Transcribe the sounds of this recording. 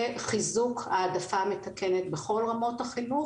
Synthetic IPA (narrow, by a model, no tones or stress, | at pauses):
χizukaːdafame̞takenet̪be̞χo̞lʁamo̞thaχilu